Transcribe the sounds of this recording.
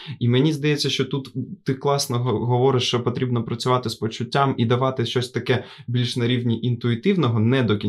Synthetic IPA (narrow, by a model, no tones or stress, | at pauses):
imenʲizd̪ɐjɛt͡sʲːɐʃt͡ʃɔt̪ut̪ːɪklˠɑsnɔɦɦɔʋɔɾɪʃt͡ʃɔpɔt̪ɾʲibnɔpɾɐt͡sʲʊʋɑt̪ɪspɔt͡ʃʊtʲːamid̪ɐʋɑt̪ɪʃt͡ʃɔsʲt̪ɐkɛbʲilʲʃnɐɾʲiwnʲiʔint̪ʊit̪ɪwnɔɦɔnɛd̪ɔkʲi